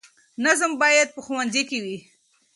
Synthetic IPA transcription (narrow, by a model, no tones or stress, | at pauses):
nazəmbɑjad̪̚pəxuwanzikewi